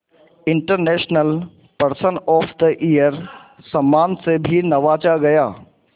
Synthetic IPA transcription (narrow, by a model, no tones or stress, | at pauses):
ɪ̃ɳʈəɾnɛːʃnəl | pɐɾsənɔːfʰd̪əʔijəɾ | sɐ̃mːaːnsebʱinɐʋaːt͡ʃaɡɐjaː